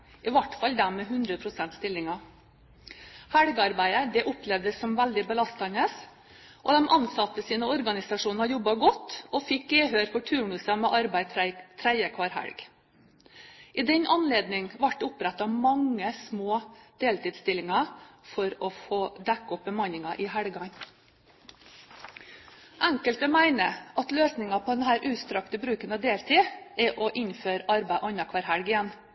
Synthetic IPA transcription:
ʔɪʋɑʈfɑld̪æmɛɦʉnd̪ɾəpʰɾʊsɛnt̪st̪ɪlːɪŋɑ | hæɽɡəɑɾbæɪəd̪ɛʔʊplɛʋd̪əsːɔmʋæld̪ɪbəlɑst̪ɑnəs | ʔɔd̪ɛmʔɑnsɑt̪ːəsiːnəɔɾɡɑnɪsɑʂuːnnɑɾjɔbːɑɡɔt̪ːɔfɪkːeɦøːɾfɔʈʰʉːɳʉsɑmɛʔɑɾbæɪt̪ʰɾæɪəkʰʋɑɾɦæ̰ɽɡ | ʔɪːd̪ɛnʔɑnleːd̪nɪŋʋɑʈːʊpɾæt̪ːɑʋmɑŋːəsmoːd̪̥eːlt̪iːd̪st̪ɪlɪŋɑfɔɾɔfoːd̪ækːɔp̚bəmɑnɪŋɑʔɪɦæɽɡɑɲ | ʔæŋkəlt̪əmæɪnəʔɑt̪løːsnɪŋɑpʰɔd̪ɛnhæːɾʔʉːt̪st̪ɾɑkt̪əbɾʉːkənɑd̪eːlt̪ʰiːɛʔɔʔɪnføːɾɑɾbæɪʔɔnɑkʰʋɑːɾhæɽɡɪjæn

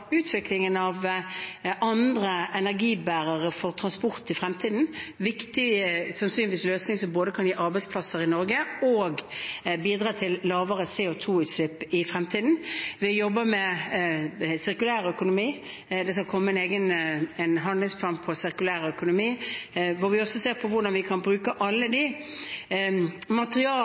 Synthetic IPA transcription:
ʉːt̪ʰʋɪklɪŋənɑʋ | ɑnd̪ʁəɛnæʁɡiːbæːʁəʁəfɔʁt̪ʰʁɑnspʊʁt̪ɪfʁɛmt̪ʰiːd̪n̩ʋɪkt̪ɪsɑnsyːnʋiːsløːsnɪŋsɔmboːd̪əkʰɑnjiːʔɑɾbæɪspʰlɑsəʁɪnɔɾɡəoːɡbiːd̪ʁɑːt̪ʰɪllɑːʋəʁəseːɔt̪ʰuːʉːt̪slɪpːɪfʁɛmt̪ʰiːd̪n̩ʋɪjɔbːəɾmɛ | sɪɾkʉlæːɾœkʊnʊmiː | d̪ɛskɑlkʰɔmːəɛneːɡənɛnɦɑnd̪lɪŋsp̪ʰɑːnpʰɔsɪɾkʉlæːɾœkʊnʊmiːʋɔɾʋɪɔsɔseːʁɾpʰɔʋʊɖɑnʋɪkʰɑnbɾʉːkəʔɑlːəd̪ɪ | mɑt̪əʁɪɑː

